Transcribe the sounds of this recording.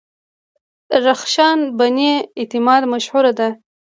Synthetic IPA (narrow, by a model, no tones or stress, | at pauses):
ɾaxʃɑnbaneɪt̪ɪmɑd̪maʃhuɾad̪a